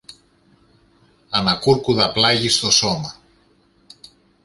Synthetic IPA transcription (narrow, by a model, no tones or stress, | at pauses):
ɐnɐkuɾkuðɐplɐʝist̪o̞so̞mɐ